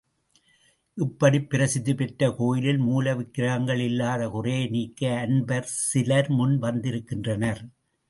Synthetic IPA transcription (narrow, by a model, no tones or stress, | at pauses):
ʔɪpːɐɽipːɪɾɐsɪðɯpɛʈːɐkoːjɪlɪlmuːlɐʋɪkːɪɾɐɣɐŋɡɐɭɪlːaːðɐkʊreːniːkːɐɐnbɐɾsɪlɐɾmʊnʋɐnd̪ɪɾɯkːɪndrɐnɐɾ